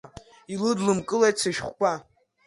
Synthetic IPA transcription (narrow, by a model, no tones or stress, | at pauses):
ilɨdlɨmkʼɨlajt͡sʰaʃχʷkʷʼa